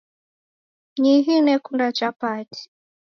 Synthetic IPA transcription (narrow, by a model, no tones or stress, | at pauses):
ɲiɦinɛkundat͡ʃapati̥